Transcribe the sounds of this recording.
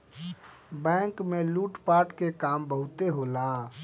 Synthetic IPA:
bɛ̃ːŋkmẽluːʈpaːɾʈkekaːmbəɦʊt̪eɦolãː

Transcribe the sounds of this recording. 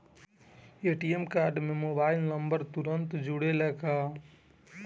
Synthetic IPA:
eːʈiemkaːɾɖmẽmobaːɪlnəmbəɾt̪uɾənt̪d͡ʒuɽeləkaː

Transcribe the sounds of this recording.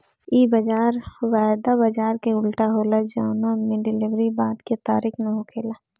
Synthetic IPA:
iːbəd͡ʒaːɾhwaːd̪abəd͡ʒaːɾkeʊlʈaɦoːlad͡ʒaːnamiɖɪlɪʋɾibaːd̪ket̪aːɾɪknəɦokʰeːlaː

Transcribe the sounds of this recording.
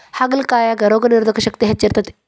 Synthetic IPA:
haɡɐlkaːjaɡɐɾoɡɐniɾd̪ʱɐkɐɕɐkt̪iɦɐt͡ʃːiɾt̪ɐt̪

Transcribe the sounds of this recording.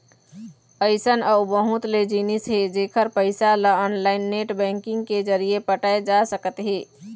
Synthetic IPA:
əɪsənaʊbəɦut̪led͡ʒinisɦed͡ʒekʰəɾpəɪsaləɔnlaɪnːeʈbɛ̃ŋkɪŋɡked͡ʒəɾijepəʈaed͡ʒasəkət̪ɦe

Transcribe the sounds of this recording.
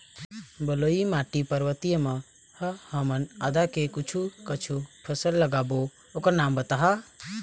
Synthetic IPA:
bəloimaʈipəɾʋət̪ijəma | həhəmənəd̪akekut͡ʃʰukət͡ʃʰupʰəsəlːəɡaːbo | okəɾnaːmbət̪aɦa

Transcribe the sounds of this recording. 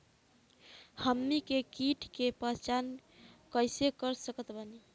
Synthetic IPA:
həmːikekiʈʰkepət͡ʃankəjsekəɾsəkət̪bəni

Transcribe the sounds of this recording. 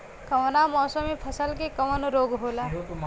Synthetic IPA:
kɐʋnamɔːsəmipʰəsəlkekəʋənɾoːɡɦoːla

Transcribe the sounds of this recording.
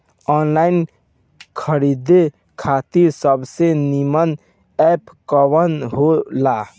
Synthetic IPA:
ɔːnlaːɪn | kʰəɾid̪e | kʰaːt̪isəbsenimən | ɛːpkəwənɦolaː

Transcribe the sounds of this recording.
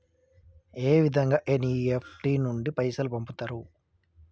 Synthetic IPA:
eːʋid̪ʱɐŋɡaːʔeniepʰʈiːnuɳɖipɐjsɐlupɐmput̪aːɾu

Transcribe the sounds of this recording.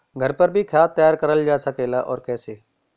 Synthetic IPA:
ɡʱəɾpəɾbʱiːkʰjaːt̪jaːɾkəɾəld͡ʒaːsəkeːlaːʔɔːɾkɛːseː

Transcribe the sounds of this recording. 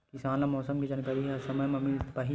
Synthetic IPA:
kisaːlamɔːsɐmkid͡ʒɐnkɐɾiɦɛsɐmɐmɐmilspɐɦi

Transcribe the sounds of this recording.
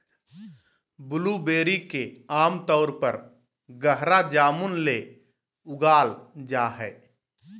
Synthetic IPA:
bʊlubeːɾikeaːmt̪ɔːɾpəɾ | ɡəɦɾad͡ʒaːmunle | ʊɡaːld͡ʒaːɦɛː

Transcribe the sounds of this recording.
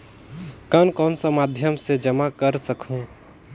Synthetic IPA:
kənkɔːnsəmad̪ʱjəmsed͡ʒəmakəɾsəkũ

